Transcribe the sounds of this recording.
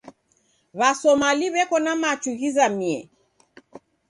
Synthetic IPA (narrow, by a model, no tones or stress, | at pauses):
βasɔmaliβɛkɔnamat͡ʃuɣizamiɛ̰